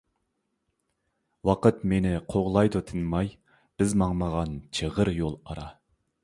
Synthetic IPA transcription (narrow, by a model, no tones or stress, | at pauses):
wɑqət̪menɪqʰoʁlˠɑjd̪ʊt̪ʰɨnmɑj | b̥ɪzmɑŋməʁɑnt͡ʃʰəʁəɾjolˠɑɾɑ